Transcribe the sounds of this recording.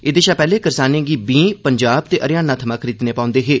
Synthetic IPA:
ɪd̪eːʃaːpɛːleːkəɾsaːnẽːɡiːbĩːpəɲd͡ʒaːb̚t̪eːʔəɾɪjaːnãːt̪ʰəmaːkʰəɾiːd̪nẽːpãːʊ̃nd̪eːɦeː

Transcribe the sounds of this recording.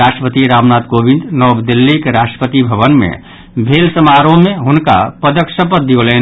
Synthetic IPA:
asʈɾəpət̪iɾabnat̪kobĩnd̪nɔbd̪ilːikeɾasʈə̥pət̪ibʱəβənmḛ | bʱelsəmaɾõmeɦʊnka̰pəd̪əksəpət̪̚d̪iole

